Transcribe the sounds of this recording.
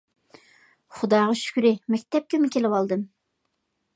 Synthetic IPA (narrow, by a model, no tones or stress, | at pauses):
χʊd̪ɑːʁɑʃy̥kʲɾɪmɛkʲt̪ʰɛp̚kʲɛmɪkʲʰelɪwɑlˠd̪ɨm